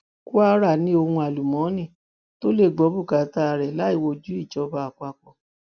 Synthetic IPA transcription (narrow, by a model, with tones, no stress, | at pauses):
ku˦a˦˧˦ɾa˦˨nĩ˧˦o˧hũ˧a˨lu˨mɔ̃˨˦nĩ˦˨ | to˦le˦˨ɡ͡bɔ˨˦bu˦˨ka˨˦ta˧ɾɛ˨la˨˦i˦˨wo˧d͡ʒu˨˦i˦˨d͡ʒɔ˨˧ba˧a˨kʷa˧kɔ˨